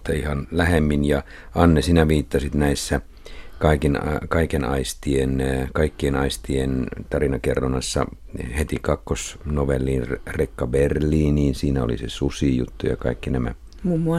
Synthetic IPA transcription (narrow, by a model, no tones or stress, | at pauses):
t̪ːɑihɑnlæhemːinjɑ | ɑnːesinæʋiːt̪ːɑsit̪næisːæ | kɑikenkɑikenɑ̰ist̪ienkɑikːienɑist̪ient̪ɑrinɑkerːonɑsːɑ̰ | het̪ikɑkːosnoʋelːiːnrekːɑberliːniːnsiːnæo̰lḭsḛsusijṵt̪ːujɑ̰kɑ̰ikːinæmæ̰ | mumːuɑ